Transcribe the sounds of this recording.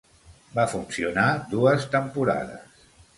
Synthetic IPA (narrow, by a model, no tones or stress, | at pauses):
bafunsiunad̪uəst̪əmpuɾa̰ðə̰s